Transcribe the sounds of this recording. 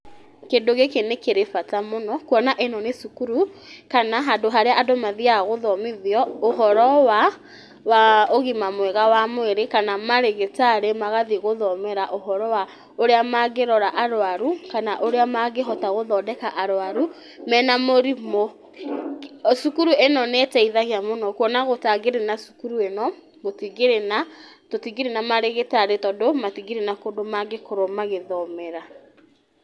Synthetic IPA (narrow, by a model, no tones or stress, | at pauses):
kendoɣekenekeɾefatamonɔkwɔnaʔenɔnesukuɾukanaɦadoɦaɾeaʔadɔmaðiaɣoðɔmeðiɔoɦɔɾɔwa | waoɣimamwɛɣawamweɾekanamaɾeɣetaɾemaɣaðiɣoðɔmɛɾaʔoɦɔɾɔwa | oɾeamaɣeɾɔɾaʔaɾwaɾukanaʔoɾeamaɣeɦɔtaɣoðɔdɛkaʔaɾwaɾu | mɛnamoɾimo | sukuɾuenɔnetɛiðaɣiamonɔkwɔnaɣotaɡeɾenasu̥kuɾuenɔ | ɣotiɣeɾena | totiɡeɾenamaɾeɣetaɾetɔdomatiɣeɾenakodomaɡekoɾomaɣeðɔmɛɾa